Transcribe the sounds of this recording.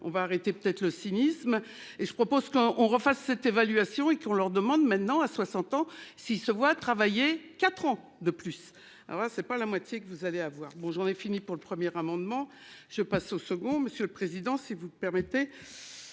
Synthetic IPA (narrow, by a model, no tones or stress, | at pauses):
ɔ̰̃vaːʁet̪epə̥t̪ɛt̪χləsinism | eʒəpχɔpozkɔʔɔ̃ʁəfasːɛt̪evalɥasjɔ̃ekɔ̃lœʁd̪əmɑ̃d̪mɛ̃t̪nɑ̃aswasɑ̃t̪ɑ̃siːlsəvwat̪χavajekat̪χɑ̃ | d̪əplys | a̰lɔ̰ʁlasɛpalamwat̪jekəvuzaleavwaːʁbɔ̃ʒɑ̃nɛfinipuʁləpχəmjɛʁamɑ̃d̪mɑ̃ | ʒ̥əpasosəɡɔ̃məsjøləpχezid̪ɑ̃sivuməpɛʁmɛt̪e